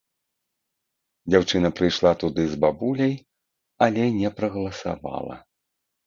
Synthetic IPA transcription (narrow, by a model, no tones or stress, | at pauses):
d͡zʲawt͡ʂɨnɐpɾɨjʂlˠat̪ud̪ɨzbabulʲɐj | alʲɛnʲɛpɾɐɣɐlˠɐsa̰va̰lˠɐ̰